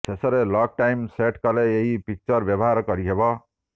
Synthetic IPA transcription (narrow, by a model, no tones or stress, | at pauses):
tesʌɾelʌk̚ʈajmseʈkaleeɦipik̚t͡sʌɾbjʌbɦaɾkʌɾiɦebʌ